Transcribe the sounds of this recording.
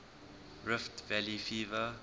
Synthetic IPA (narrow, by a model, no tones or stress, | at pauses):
ɹɪftvɛlifiːvə